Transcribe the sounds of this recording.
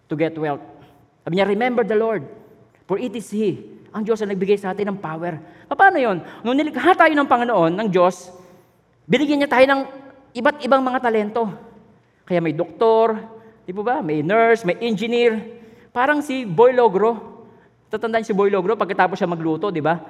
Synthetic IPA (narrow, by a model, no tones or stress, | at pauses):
t̪ʊɡɛt̪wɛlt̪̚ | saːbɪɲaɾɪmɛmbɛɹd̪ɐloɹd̪̚ | fɔɹʔit̪isiʔɐŋd͡ʒo̞sɐnɐɡ̚bɪɡajsɐʔaːt̪ɪnɐŋpaːwɛɹpɐpaːno̞jonnʊŋnɪlɪkɦat̪aːjonɐŋpɐŋɪnoʔo̞nːɐŋd͡ʒo̞s | bɪnɪɡjaɲat̪aːjo̞nɐŋ | ʔɪbat̪ʔɪbaŋmɐŋat̪ɐlɛnt̪o̞ | kɐjamɐjd̪ok̚t̪oɾ | d̪ibobɐmɐjnɛɹsmɐjʔɛnd͡ʒɪniɹ | paːɾɐŋsɪbojloɡɾo̞ | t̪aːt̪ɐnd̪aɲasɪbojloɡɾopɐɡkːɐt̪aːposʃamɐɡluːt̪o̞d̪ɪba